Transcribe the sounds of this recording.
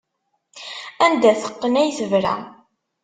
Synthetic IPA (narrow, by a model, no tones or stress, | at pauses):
ænd̪æθə̥qːənæjθəvɾæ̰